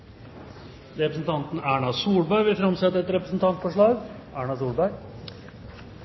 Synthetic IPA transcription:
ɾɛpɾəsn̩t̪ʰɑnt̪n̩æːɳɑsuːɭbæɪʋɪfɾɑmsɛt̪ːəɾɛt̪ɾɛpɾəsn̩t̪ʰɑnt̪fɔʂɭɑːɡʔæːɳɑsuːɭbæɪ

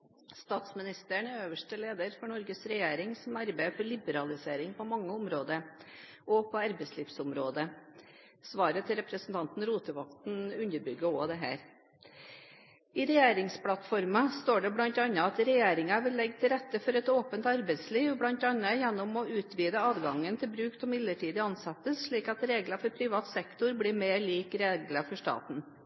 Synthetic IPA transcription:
st̪ɑːt̪smɪnɪst̪əɳæɾøːʋəʂʈəleːd̪əɾfɔɳɔɾɡəsɾɛjeːɾɪŋsɔmɑɾbæɪfɔɾɭɪbəɾɑlɪseːɾɪŋpʰɔmɑŋːəʊmɾoːd̪əɾ | ʔɔpʰɔɑɾbɛɪsliːʋsʊmɾoːd̪ə | sʋɑːɾət̪ʰɪlɾɛpɾəsn̩t̪ʰɑnt̪n̩ɾuːt̪əʋɑkt̪nʉnəɾbʏɡːəoːd̪ɛɦæ̰ːɾ | ɪɾɛjeːɾɪŋspʰlɑt̪fɔɾmɑst̪oːɖɛblɑnt̪ɑnːəɑt̪ɾɛjeːɾɪŋɑʋɪlːɛɡːt̪ʰɪlɾɛt̪ːəfɔɾɛt̪oːpənt̪ɑɾbɛɪt̪sliːʋblɑnt̪ɑnːəjɛnːɔmɔʉːt̪ʰʋiːd̪əɑːʋɡɑŋənt̪ʰɪlbɾʉːksɔmɪd̪ləʈʰiːd̪əɑnsɑt̪ːəsʂɭiːkɑt̪ɾeːɡlɑfɔɾpʰɾɪʋɑːt̪sɛkt̪ʊɾbliːmeːɾɭiːkɾeːɡləfɔʂʈɑ̰ːt̪n̩

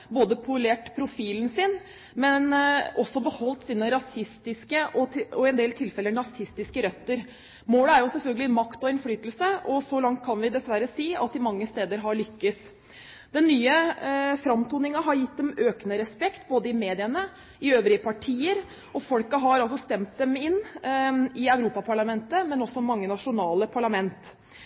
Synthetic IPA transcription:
boːd̪əpʰʊleːʈpʰɾʊfiːln̩sɪn | mɛnɔsːɔbəhɔlt̪siːnəɾɑsɪst̪ɪskəʔɔɔɛnd̪eːlt̪ʰɪlfɛləɳɑsɪst̪ɪskəɾœt̪ːəɾ | moːləæɾjʊsɛlfœlɡəlɪmɑkt̪ɔɛnflyːt̪əlsəʔɔsɔlɑŋt̪̚kʰɑnʋɪd̪ɛsʋæɾəsiːɑ̰t̪̚d̪ɪmɑŋːəst̪eːd̪əɾɦɑɭʏkːəs | d̪̥ɛnːyːəfɾɑmt̪ʰuːnɪŋɑɦɑɾjɪt̪̚d̪ɛmøːkənəɾɛspɛkt̪boːd̪əɪmeːd̪ɪənə | ɪøːʋɾɪəpʰɑʈʰiːəɾ | ɔfɔlkɑɦɑɾɑls̬ɔst̪ɛmt̪̚d̪ɛmɪnː | ɪœʉɾuːpɑpʰɑɭɑmɛnt̪əmɛnɔsɔmɑŋːənɑʂʊnɑːləpʰɑɭɑmɛnt̪

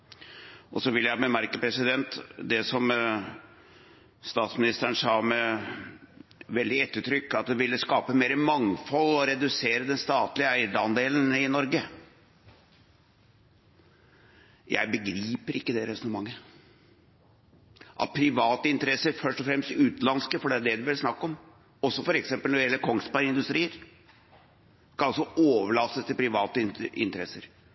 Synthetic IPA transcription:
ʔɔsɔʋɪlːjæɪbəmæɾkəpʰɾɛsɪd̪ɛnt̪d̪ɛsɔm | st̪ɑːt̪smɪnɪst̪əəɳsɑːmɛ | ʋɛld̪ɪɛt̪ːəʈ̪ʰɾʏkːɑt̪̚d̪ɛʋɪlːəskɑːpəmeːɾəmɑŋfɔlːɔɾɛd̪ʉseːɾəd̪ɛnst̪ɑːt̪lɪəæɪd̪ɑnd̪eːlən̩ɪnɔɾɡə | jʔæ̰ɪbəɡɾiːpəɾɪkːəd̪ɛɾɛsɔnəmɑŋːə | ʔɑ̰t̪̚pʰɾɪʋɑːt̪əɪnt̪əɾɛsːəɾfœʂʈɔfɾɛmst̪ɪʉːt̪lɑnskəfɔɖɛæɖɛd̪ʉʋɛlsnɑkːɔm | ɔsːɔfɔɾɛksɛmpəlnɔɪɛlːəkʰɔŋspɑɪnd̪ʉst̪ɾiːəɾ | skʰɑnɑlsɔoːʋəɭɑsːəst̪ʰɪlpʰɾɪʋɑːt̪əɪɪ̰nt̪əɾɛ̰sːəɾ

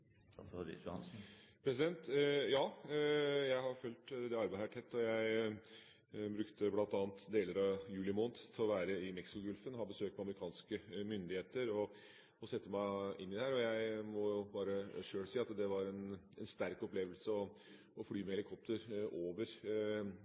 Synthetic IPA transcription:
pʰɾɛs̬ɪd̪ɛnt̪jɑː | jæɪhɑɾfʉlt̪d̪ɛɑɾbæhæʈʰɛt̪ʰːɔjæɪ | bɾʉkt̪əblɑnt̪ɑːnt̪d̪eːləɾɑjʉːlɪmoːnt̪t̪ʰɪlɔʋæːɾəɪmɛksɪkʊɡʉlfənhɑbəsøːk̚mɛɑməɾɪkʰɑːnskəmʏnd̪ɪheːt̪əɾɔ | ɔsɛt̪ːəmæɪʔɪnːɪd̪ɛhæːɾɔjæɪmɔjʊbɑːɾəʂøːɽsiːɑt̪d̪ɛʋɑɾɛn | ɛnst̪æɾkɔpleːʋəlsəɔ | ɔfɽyːmɛɛlɪkʰɔp̚t̪ʰəɾoːʋəɾ

